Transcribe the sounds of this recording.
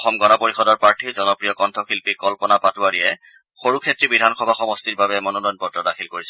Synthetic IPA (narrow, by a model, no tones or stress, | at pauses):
ɔxɔmɡɔnɔpoɹixɔdɔɹpaɹtʰiɹzɔnɔpɹijɔkɔntʰɔxilpikɔlpɔnapatuaɹiɛ | xoɹukʰetɹibidʱanxɔbʱaɔxɔmɔst̪iɹbabɛmɔnɔdɔjnpɔtɹɔdaxʰilkoɹisɛ